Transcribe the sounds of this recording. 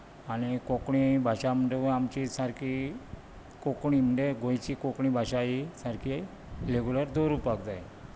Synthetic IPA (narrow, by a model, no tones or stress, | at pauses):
añikokɳibʱaɕam̤əɳd͡ʑeamt͡ɕisaɾkʰi | kokɳim̤əɳd͡zeɡʱõjt͡ɕikokɳibʱaɕaisaɾkʰi | leɡuləɾd̪oɾupakd͡zaj